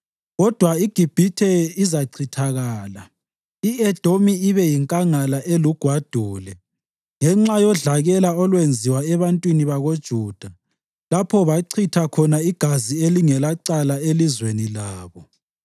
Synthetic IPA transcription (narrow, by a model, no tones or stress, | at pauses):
ɣɔd̥ʱwaiɡ̥ʱib̥ʱitʰɛizaǀʰitʰaɣaːla | iɛd̥ʱomiːβɛjiŋkʼaŋalaʔeluɡ̥ʱwad̥ʱuːlɛ | ŋɛŋ͡ǁajɔɮaɣɛlaɔlwend͡zʱiwaɛβantʼwiniβaɣod̥ʒ̥ʱuːd̥ʱa | lapʰɔβaǀʰitʰakʰɔnaiɡ̥ʱazieliŋɛlaǀalaelizwenilaːβɔ